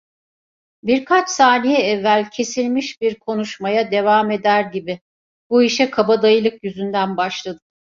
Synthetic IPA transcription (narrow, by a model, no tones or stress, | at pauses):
biɾkʰat͡ʃsaːnijɛɛvːælʲcʰe̞silʲmiʃbiɾkʰo̞nuʃmajad̪e̞vaːme̞d̪æɾɟibɪ | buiʃɛkʰabad̪ajɯlˠɯkjyzynd̪ænbaʃlˠad̪ɯ